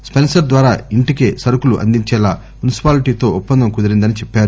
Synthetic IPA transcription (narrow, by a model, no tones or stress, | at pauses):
spensɐɾd̪ʋaːɾaːiɳʈikeːsɐɾukuluʔɐ̰nd̪iɲt͡ʃɛːlaː | munisi̥paːliʈiːt̪o̞ːupːɐnd̪ɐmkud̪ɐɾind̪ɐnit͡ʃɛpːaːɾu